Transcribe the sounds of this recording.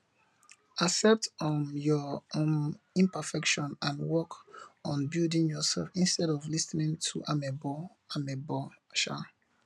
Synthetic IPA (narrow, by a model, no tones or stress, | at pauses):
asɛp̚tɔnjɔ | ĩmpəfɛkʃɔ̃nãnwɔkɔ̃nbildĩŋjɔsɛ̰lfĩnstɛɾɔvlisnĩŋtʰuʔamɛbɔ | amɛbɔʃa̰